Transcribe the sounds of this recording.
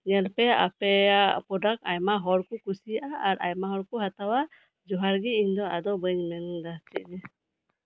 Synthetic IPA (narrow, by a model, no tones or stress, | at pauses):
ɲɛlpɛa̰pɛapɔdak̚ajmaɦɔɾkukusijaʔaːɾʔa̰jmaɦɔɾkuɦat̪awa | d͡ʒɔɦaɾɡiiɲd̪ɔad̪ɔbəɲmɛnd̪atiʔ̚dɛ